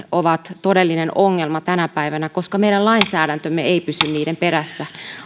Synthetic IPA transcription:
oʋɑt̪todelːinenoŋːelmɑt̪ænæpæiʋænækoskɑmeiɾælɑinsæːɾænt̪ømːeeipysynniːɾemperæsːæ

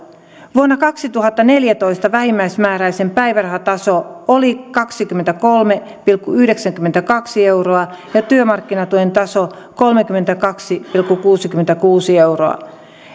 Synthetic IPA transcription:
ʋuonːɑkɑksit̪uɦɑt̪ːɑne̞ljæt̪o̞jst̪ɑʋæhimːæjsmæːɾæjse̞mpæjʋærɑɦɑt̪ɑsoolikɑksikymːent̪ækolme | pilkːuyhde̞ksæŋkymːent̪ækɑksie̞wɾoɑjɑt̪yømɑrkːinɑt̪uent̪ɑso | ko̞lmek̟ymːent̪ækɑksipilkːukuːsikyment̪ækuːsie̞wro̰ɑ̰

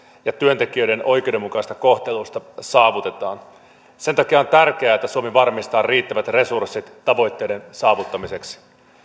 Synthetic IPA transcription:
jɑt̪yø̞nt̪e̞k̟iø̞jde̞no̞jk̟eowde̞mukɑist̪ɑko̞ht̪e̞lust̪ɑsɑːʋut̪e̞t̪ɑːn | se̞nt̪ɑkiɑo̞nt̪ærk̟e̞æːet̪ːæsuomiʋɑrmist̪ɑːrriːt̪ːæʋæt̪re̞sursːit̪ːɑʋo̞jt̪ːe̞jde̞nsɑːʋut̪ːɑmise̞ksi̥

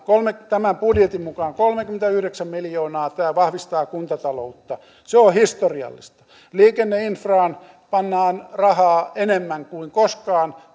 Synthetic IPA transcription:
kolmet̪æmæmpudjet̪imukɑːŋkolmekyment̪æyhɾeksæmmiljoːnɑːt̪æːʋɑhʋist̪ɑːkunt̪ɑt̪ɑlout̪ːɑ | seohist̪oriɑ̰lːḭst̪ɑ̥ | liːkenːeinfrɑːn | pɑnːɑːnrɑhɑːenemːæŋkuiŋkoskɑːn

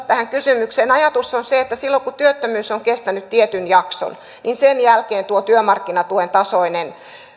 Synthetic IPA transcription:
t̪æhæŋkysymykseːnɑjɑt̪usːonseet̪ːæsilːoŋkut̪yøt̪ːømyːsoŋkest̪ænyt̪t̪iet̪ynjɑkso̰n | ninsenjælkeːnt̪uot̪yømɑrkːinɑt̪uent̪ɑsoinen

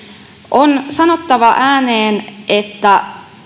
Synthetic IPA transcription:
ʔonsɑno̞t̪ːɑʋɑʔæːneːnʔet̪ːæ

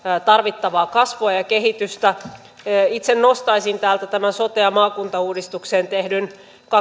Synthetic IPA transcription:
t̪ɑrʋit̪ːɑʋɑːkɑsʋoɑjɑkeɦit̪yst̪æ | it̪sennost̪ɑisint̪æːlt̪æt̪æmænsot̪eɑmɑːkunt̪ɑuːdist̪ukseːnt̪ehdyn | kɑ

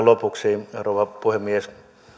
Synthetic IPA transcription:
lopuksiːrouʋɑpuhemmies

